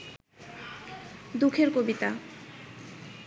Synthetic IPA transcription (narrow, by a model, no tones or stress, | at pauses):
d̪ukʰeɾkobit̪a